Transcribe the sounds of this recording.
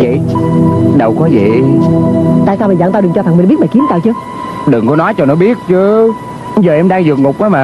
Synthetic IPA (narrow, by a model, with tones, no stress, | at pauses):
və̰˧˨j | ɗə˨˩wkɔ˨˦vḭ˧˨ | t̪a̰ː˧˨jsaː˧wmʰi˨˩za̰˧˨ŋt̪aː˧wɗɨ˨˩ŋt͡ɕɔ˧t̪a˨˩ŋm˨ɓi˦˥ɓa̰ː˧˨ki˨˦ənt̪aː˧˩wt͡ɕɨ˧˦ | ɗɨ˨˩ŋkɔ˨˦nɔ˨˦jt͡ɕɔ˧nɔ˨˦ɓi˦˥ət̚t͡ɕɨ˧˦ | kzəː˨˩ʔɛ˧mɗaː˧ŋzɨ˨˩k̚ŋʊ˨˩k͡p̚ʔaː˨˦maː˨˩